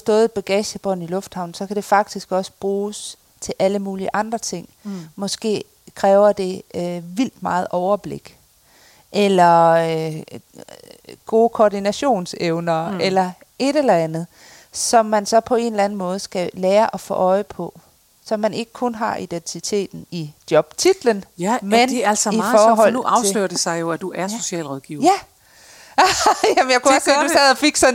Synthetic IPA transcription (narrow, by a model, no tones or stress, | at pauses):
sd̥ɔ̽ːð̩ˠb̥eɡ̥ɛɕəb̥ɒ̽n̩ilɔ̽fd̥hɑ̈ʊn̩sɒ̽kʰæd̥e̝fɑ̈ɡ̥̚d̥isɡ̥ɒ̽sə̥b̥ʁuːs | t͡sʰe̝lʔæləmuːliəʔɑ̈nd̥ʁɐt͡sʰe̝ŋ̰mɒ̽sɡ̥e̝̰ː | kʰʁɛːʊɐd̥e̝øʋil̰d̥mɑ̈ːð̩ˠʔɒʊɐb̥le̝ɡ̥ | ʔelɐ | ɡ̥o̝ːkʰɒːd̥inæɕo̝̰ːnseʊnɐʔelɐ | e̝ɾ̥elɐænð̩ˠ | sɒ̽mːænsɒ̽pʰɒ̽e̝̰ːn̩lænn̩mɔ̽ːð̞̩ˠsɡ̥ælɛːɐʔɒ̽fɔ̰ːʔɒ̽ɪəpʰɒ̽ | sɒ̽mːæne̝ɡ̥ə̥kʰɔ̽nɦɑ̈ʔid̥ent͡sʰit͡sʰe̝̰ːd̥n̩id̥jɒ̽b̥t͡sʰid̥lənmeneælsifɒːɦɒ̽l̰ɑ̈ʊslø̰ːɐd̥esɑ̈ɪjo̝æd̥uʔæɐso̝ɕɛ̰ːlʁɔðˠɡ̥iʊ̰jæ | jæmnjɑkʰuɒsɡ̥sdɛðˠɒfiɡ̥sɒ̽n